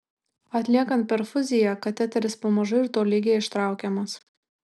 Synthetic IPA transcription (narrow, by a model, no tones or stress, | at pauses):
ɐt̪ʲlʲiɛkɐnt̪̚ʲpʲɛɾfʊzʲɪjɛkɐt̪ʲɛt̪ʲɛɾʲɪspomɐʒʊɪɾt̪oːlʲiɡʲeːɪʃt̪ɾɑˑʊkʲɛmɐs